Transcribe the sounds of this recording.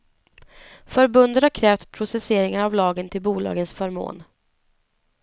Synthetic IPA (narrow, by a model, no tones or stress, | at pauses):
fœɾbɵnd̪ət̪haɾkʰɾɛːft̪pʰɾʊsɛseːɾɪŋaɾavlɑːɡənt̪ʰɪlbuːlɑ̰ːɡənsfœɾmo̰ːn